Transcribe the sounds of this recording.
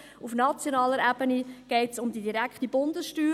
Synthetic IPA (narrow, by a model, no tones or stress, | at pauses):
ufnɑt͡sjonɑːləɾæb̥əniɡ̥ɛɪtsʊmdidiɾækχtibʊndəsʃtyː